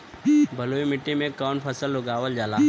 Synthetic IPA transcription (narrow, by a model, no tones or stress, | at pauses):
bʱɐloːimɪʈːimẽkaːnpʰəsəlːʊɡaːʋəld͡ʒaːlaː